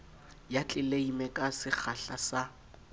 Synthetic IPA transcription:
jat͡ɬʼɪleimɛkʼasɪk͡xʰaɬasa

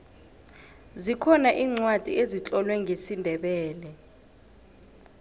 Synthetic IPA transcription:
zikʰɔnaʔiːŋ͡ǀwad̥ʱḭezit͡ɬʼɔlwɛŋʱesindʱɛɓɛːlɛ

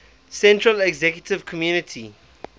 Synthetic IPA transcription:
sɛ̃ntɹəlɛɡzɛkjətɪv̥kʰɔmjuːnɪtʰi

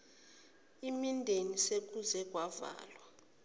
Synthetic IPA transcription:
imindʱenisek̬ʼuzɛk̬ʼwava̰ːlwa

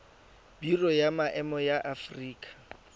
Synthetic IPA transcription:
b̥irɔjamaʔɛmɔjaʔafriːkʰʼḁ

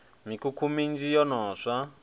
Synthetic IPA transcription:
mikukʰumind͡ʒijɔnɔːʂa

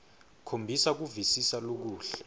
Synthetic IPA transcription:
kʰombʱisak̬uvisisalok̬uːɬɛ

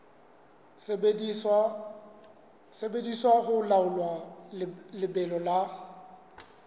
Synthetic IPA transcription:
sebediswaɣʊlaʊlwa | lɪbɛlɔla

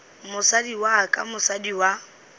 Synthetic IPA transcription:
mʊsadiwakʼa̰mʊsadiwa

